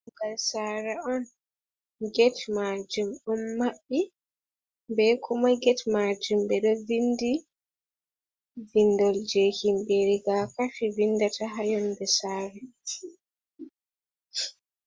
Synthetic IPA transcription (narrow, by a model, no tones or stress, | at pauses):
ɡalsaːɾaɔn | ɡɛtmad͡ʒumɗɔnːaɓːi | bɛkʰɔmaɡɛtmad͡ʒumbɛɗɔvindi | vindɔld͡ʒehimbeɾiɡakafivinːdataɦajɔnbɛsaːɾɛ